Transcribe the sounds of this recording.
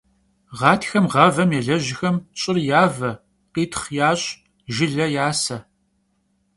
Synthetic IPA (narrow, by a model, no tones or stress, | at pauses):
ʁɑːtʰxɐmʁɐvɐmjɛɮɐʑɪxɐmɕʼɪrjaːvɐ | qiːtʰχjaːɕʼ | ʒɪɮɐjaːsɐ